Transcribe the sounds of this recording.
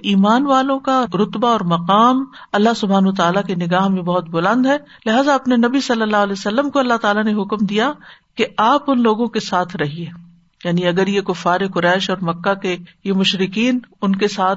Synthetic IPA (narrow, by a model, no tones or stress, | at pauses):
ʔiːmaːnʋaːlõkaɾʊt̪baɔːɾmɐqaːmɐlːaɦsʊbʱaːnʋat̪aːlakenɪɡaːɦmẽbɐɦʊt̪̚bʊlə̃nd̪ɦɛː | lɪɦaːzaɐpnenɐbisɐlːəlːaːɦlɛːsɐlːəmkoɐlːaɦt̪aːlaneɦʊkmd̪ijakeaːpʊnloːɡõkesaːt̪ʰɾɐɦieː | jaːniɐɡəɾjekʊfːaːɾekʊɾɛːʃɔːɾmɐkːakejemʊʃɾɪkiːnʊnkesaːt̪̚ʰ